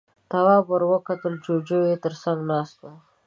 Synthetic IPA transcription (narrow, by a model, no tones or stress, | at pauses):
t̪awɑpəɾwəkat̪əld͡ʒod͡ʒojet̪əɾsaŋɡnɑst̪o